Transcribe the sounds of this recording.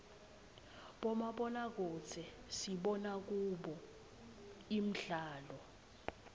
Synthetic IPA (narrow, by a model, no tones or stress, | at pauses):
ɓɔmaɓɔnak̬ɔt͡sʰɛsiɓɔnak̬uɓɔ | im̩ɮaːlɔ